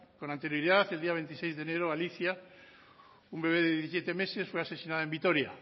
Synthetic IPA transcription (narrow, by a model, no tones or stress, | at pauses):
konant̪eɾjoɾiðaθeld̪iaβe̞nt̪isejzðeneɾoaliθja | umbeβ̞eðeðjðeθisjet̪emesesfweasesinaðoembit̪oɾja